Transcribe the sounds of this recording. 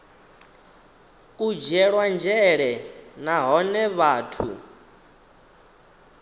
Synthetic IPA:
kʼud͡ʒɛɺwand͡ʒɛɺɛnaɦɔnɛβaːtʰṵ

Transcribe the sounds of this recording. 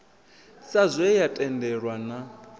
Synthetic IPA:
sazʷɛjatʼɛndɛɺwana

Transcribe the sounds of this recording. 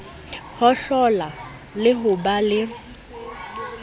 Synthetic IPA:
hɔɬɔla | lɪɦʊbalɪ

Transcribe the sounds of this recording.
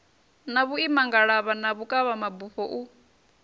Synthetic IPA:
naβuimaŋɡaɺaβanaβukʼaβamabuɸɔʔu

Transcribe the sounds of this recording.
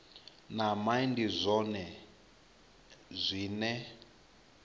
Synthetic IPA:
namaindizʷɔnɛ | zʷiːnɛ

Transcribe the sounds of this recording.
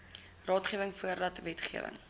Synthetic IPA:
rɑːtχiəvəŋfuərdɐtvɛtχiəvə̰ŋ

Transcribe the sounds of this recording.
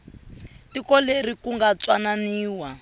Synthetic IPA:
tikɔlerikuŋɡat͡swananiːwa

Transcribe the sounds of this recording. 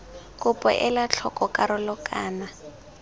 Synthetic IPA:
kʼʊpʼɔ̰ʔɛlat͡ɬʰɔkʼɔkʼaɾɔlɔkʼaːna

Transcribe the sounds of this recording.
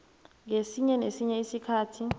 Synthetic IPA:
ŋesiɲɛnesiɲɛisikʰaːtʰi

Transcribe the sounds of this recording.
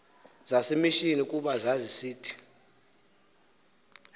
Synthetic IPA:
zasimiʃinik̬ʼuɓazazisiːtʰi̥

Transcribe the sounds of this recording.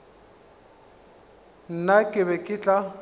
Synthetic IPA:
n̩nakʼɪβɛkʼɪt͡ɬʼa

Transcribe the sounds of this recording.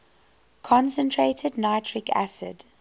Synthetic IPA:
kʰɔ̃nsə̃ntʰɹeːtʰədnaɪtʰɹɪkʰæ̰sɪ̰d̥

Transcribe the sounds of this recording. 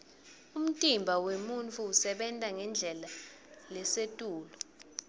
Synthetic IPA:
um̩tʼimbʱawemunt͡fʰʼuːsɛɓɛntʼaŋɛnd͡ɮʱɛla | lɛsetʼuːlɔ

